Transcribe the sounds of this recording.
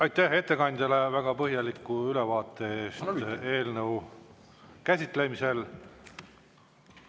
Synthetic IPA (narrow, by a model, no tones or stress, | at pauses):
ɑjt̪ːˑæhe̞t̪ːe̞kɑnʲd̪̥ʲɑle̞væɡ̥ɑpɤɦjɑlikːuylevɑːt̪ːˑe̞eːst̪e̞ːlnɤw | kæsʲit̪ˑle̞mise̞l